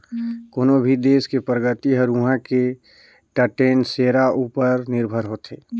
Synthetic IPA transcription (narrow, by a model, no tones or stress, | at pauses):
koːnobʱid̪eːskepɾəɡət̪iɦəɾũɦãke | ʈəʈeːnseːɾauːpəɾnɪɾbʱəɾɦoːt̪ʰeː